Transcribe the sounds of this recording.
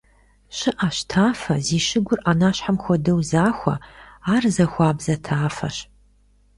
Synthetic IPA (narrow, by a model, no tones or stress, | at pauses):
ɕɪʔaɕtʰaːfɐ̰ziːʃɪɡʷʊrʔaːnaːɕħamxʷɔdɐwzaːxʷɐ̰aːrzɐxʷaːbzɐtʰaːfɐ̰ɕ